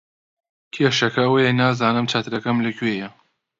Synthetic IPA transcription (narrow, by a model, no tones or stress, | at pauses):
kʲʰeːʃɐkɐɐwɐjenaːzaːnɨmt͡ʃʰaːt̪ɨɾɐkɐmlɐkʰɥeːjɐ